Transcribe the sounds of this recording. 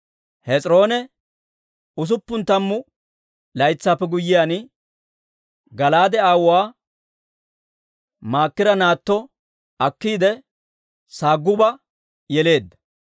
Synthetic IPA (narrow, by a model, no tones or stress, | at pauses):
hɛt͡sʼɾo̞ːnɛ | ʊs̬ʊpːʊnt̪ɐmːʊ | lɐjt͡sːaːpːɛɡʊjːɪjaːnɪ | ɡɐlaːd̪ɛaːwʊwaː | maːkːɪɾɐnaːt̪ːɔ | ɐkːiːd̪ɛ | saːɡːʊbɐ | jɛle̞ːd̪ːɐ